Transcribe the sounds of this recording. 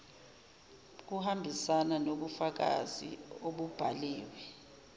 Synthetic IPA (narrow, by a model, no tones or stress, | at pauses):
k̬uhambʱisananoɓufak̬a̰zḭoɓub̥ʱaliːwɛ